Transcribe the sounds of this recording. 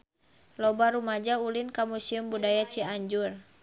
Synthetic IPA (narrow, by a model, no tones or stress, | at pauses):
lɔbaɾumad͡ʒaulinkamusiumbudajat͡ʃiaɲd͡ʒur